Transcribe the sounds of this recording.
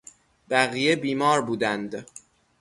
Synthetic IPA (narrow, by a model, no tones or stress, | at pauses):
b̥æɣijebiːmɒːɾbuːd̪ænd̪